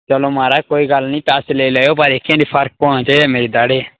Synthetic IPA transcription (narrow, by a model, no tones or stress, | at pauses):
t͡ʃəlomaːɾakoːiɡɐlnĩːt̪aːseleːlaːjop̬ɐɾekʰːẽːɳɖipʰɐɾk̚pɔ̃ːɽ̃ãt͡ʃaːiɛmeːɾed̪aːɽe